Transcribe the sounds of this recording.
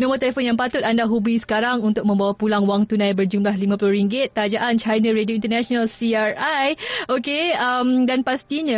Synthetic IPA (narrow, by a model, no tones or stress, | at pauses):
nõmɔ̃t̪elefɔnjaŋpat̪ʊt̪̚andaɦubisə̥kaɾaŋunt̪ʊk̚mə̃mbawapulaŋwaŋt̪unãjbərd͡ʒumlahlimãpulʊɾiŋɡɪt̪̚ːad͡ʒaʔant͡ʃajnãɾedioint̪ərnaʃonalsiarajokeəmdanpast̪iɲã